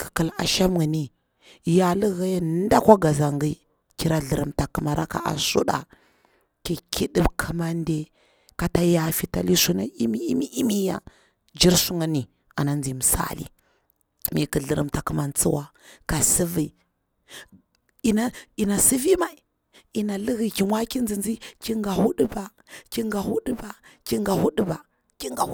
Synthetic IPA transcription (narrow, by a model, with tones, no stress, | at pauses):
kʰə̥˨kə˨la̰˨ʃa˦mɡə˨ni˦ | ja˨lə˦ɣa˦ja˦nn˦da˦kʷa˦ɡa˨za˨ŋɡi˦ | ki˦ɾa˦ɮə˨ɾə˨mta˨kə˨ma˨ɾa˦ka̰˨ʔa̰˨sṵ˦ɗa̰˨ | ki˨kʰi˦də˦bkʰə˨ma˦nde˨ | ka˨ta˦ja˨fi˨ta˨li˦su˦na̰˦i˦mi˦i˦mi˦ʔi˦mi˦ja̰˨ | d͡ʒi˦ɾsu˦ŋə˦ni˨ | a̰˨na˦nd͡zi˨mə˨sa̰˦lḭ˨ | mi˨kə˨ɮə˦ɾə̰˦mta˨kə˦ma˨nt͡sə˦wa˦ | ka˨sə˦vi˨i˨ | i˨na˦i˨na˨si˦vi˦ma˨i˨ | i˨na˨lə˦ɣi˨ki˨mwa˦ki˦nd͡zi˨nd͡zi˦ki˦ŋɡa˨hu˦ɗə˦ba˨ | ki˦ŋɡa˨hu˦ɗə˦ba˨ki˦ŋɡa˨hu˦ɗə˦ba˨ | ki˦ŋɡa˨˦